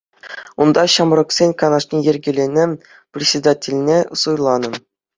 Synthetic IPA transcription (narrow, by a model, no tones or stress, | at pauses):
und̪ɑɕɑmrɤ̆ksʲenʲkɑnɑʂnʲijɘ̆rʲɡʲɘ̆lʲenʲe | prʲɪsʲed̪atʲelʲnʲesujlˠɑnɤ̆